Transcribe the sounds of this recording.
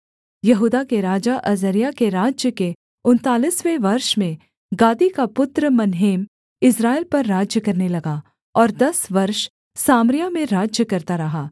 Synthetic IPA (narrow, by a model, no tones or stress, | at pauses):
jɐɦuːd̪akeɾaːd͡ʒaʔɐzəɾijakeɾaːd͡ʒjəke | ʊnt̪aːliswẽʋɐɾʃmẽ | ɡaːd̪ikapʊt̪ɾəmɐnɦeːm | ɪsɾaːɪlpɐɾːaːd͡ʒjəkɐɾnelɐɡa | ɔːɾd̪ɐsʋɐɾʃ | saːmɾɪjamẽɾaːd͡ʒjəkɐɾt̪aɾɐɦaː